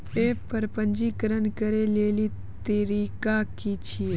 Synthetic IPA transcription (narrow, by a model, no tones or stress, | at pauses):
epəɾpənd͡ʒikəɾənkəɾeleli | t̪iɾikakit͡ʃʰie